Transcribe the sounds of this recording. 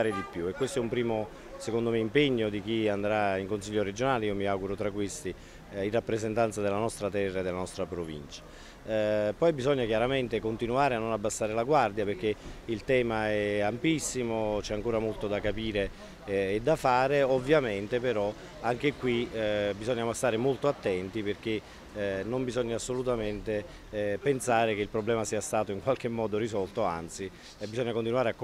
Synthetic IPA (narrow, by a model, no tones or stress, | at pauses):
aːɾed̪ipːjuekːwest̪oɛumpɾiːmo | sekond̪omeimpeɲːod̪ik̟iand̪ɾaiŋkonsiʎːoɾed͡ʒonaːleiːomiawɡuɾot̪ɾakːwest̪i | inrapːɾezent̪ant̪sad̪elanɔst̪ɾat̪ɛrːaed̪elanɔst̪ɾapɾovḭnt͡ʃḁ | pɔjbizɔɲːakjaɾament̪ekont̪inuaːɾeanːonabːasːaːɾelaɡward̪japerk̟ːeilt̪ɛːmaɛampisːimot͡ʃɛaŋkoːɾamolt̪od̪akapiːɾeː | d̪ːafaːɾeovːjament̪epeɾɔ | aŋk̟ekːwibizoɲːaːmost̪aːɾemolt̪oat̪ːɛnt̪iperk̟e | nombizɔɲːaːsːolut̪ament̪e | pensaːɾekeilpɾoblɛːmasiːast̪aːt̪oiŋkwalk̟emːɔːd̪oɾizɔlt̪oa̰nt̪si | bːizɔɲːakont̪inuaːɾeak